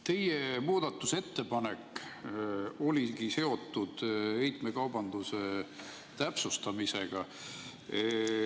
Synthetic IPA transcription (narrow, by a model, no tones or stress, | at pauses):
t̪e̞jemuːd̪̥ɑt̪ːˑuse̞t̪ːe̞pɑne̞kː | o̞lʲiɡise̞o̞t̪ːˑud̪̥e̞jt̪me̞kɑwbɑnd̪use̞ | t̪æpsust̪ɑmise̞ɡ̥ɑ